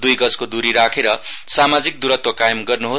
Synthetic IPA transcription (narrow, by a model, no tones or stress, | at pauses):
d̪ujɡʌd͡zkod̪uɾiɾakʰeɾʌsamad͡zik̚d̪uɾʌt̪wakajʌmɡʌrnuɦo